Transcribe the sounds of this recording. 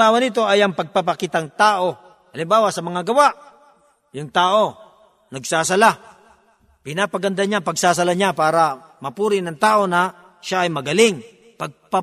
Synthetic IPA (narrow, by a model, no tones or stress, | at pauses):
aːwanɪt̪̬o̞ʔɐjɐŋpɐɡ̚papakit̪aŋt̪aːʔo̞ | ʔɐlɪmbaːwasɐmɐŋaɡɐwaʔ | jʊŋt̪aːʔo̞ | nɐɡsaːsɐla | pɪnaːpɐɡɐnd̪aɲaŋpɐɡsaːs̬ɐlaɲapaːɾa | mɐpuːɾɪnɐŋt̪aːʔo̞nɐ | ʃaːjmɐɡɐlɪŋ | pɐɡ̚pa